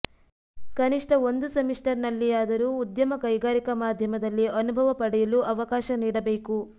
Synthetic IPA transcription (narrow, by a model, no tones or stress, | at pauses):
kɐniʂʈɐo̞nd̪usɐmiʂʈɐɾnɐlːiaːd̪ɐɾuːd̪jɐmɐkɐjɡaːɾikɐmaːd̪ʱjɐmɐd̪ɐlːiɐnubʱɐʋɐpɐɽɛjɐluʔɐʋɐkaːʃɐniːɽɐbeːku